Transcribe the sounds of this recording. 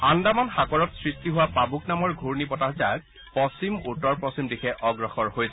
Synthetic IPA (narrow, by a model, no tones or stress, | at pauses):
andamanxakɔɹɔtsɹistiɦʊwapabuknamɔɹɡʱuɹnipɔtaɦzak̚ | pɔsimutːɔɹpɔsimdixɛʔɔɡɹɔxɔɹhojsɛ